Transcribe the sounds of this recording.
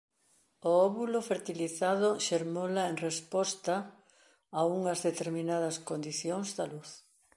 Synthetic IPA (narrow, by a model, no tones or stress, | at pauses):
oɔβulofeɾt̪iliθaðʊʃeɾmolaeŋrespɔst̪ɐː | uŋɐzðet̪eɾminað̞ɐskond̪iθjoŋzd̪ɐluθ